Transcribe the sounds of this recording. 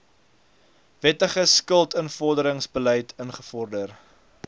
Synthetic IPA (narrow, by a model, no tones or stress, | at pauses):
vɛtəχəskəlˠtənfɔrdəɾəŋsbəlɛjtʰənχəfɔrdər